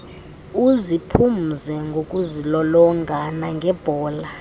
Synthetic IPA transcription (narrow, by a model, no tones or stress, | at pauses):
uzipʰum̩zɛŋɡʱokʼuzilɔlɔŋɡʱanaŋɡʱɛb̥ʱɔːla